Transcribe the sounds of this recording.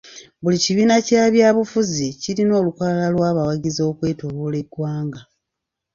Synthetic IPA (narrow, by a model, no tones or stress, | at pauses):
βuliciβiːnacaːβjaːβufuziciɾino̞ːlukalalalwaːβawaɟizo̞ːkwe̞ːtoɾule̞ɡwaːŋɡa